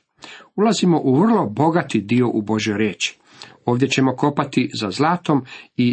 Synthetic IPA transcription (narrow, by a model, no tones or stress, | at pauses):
ulazimo̞ʔuʋr̩lˠo̞bo̞ɡat̪id̪io̞ʔubo̞ʒjojɾeːt͡ʃi̥ | o̞ːʋd̪je̞t͡ɕe̞mo̞ko̞pat̪izazlaːt̪o̞mi